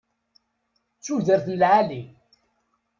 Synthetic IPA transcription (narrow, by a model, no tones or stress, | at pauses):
t͡sːuðəɾθnəlʕali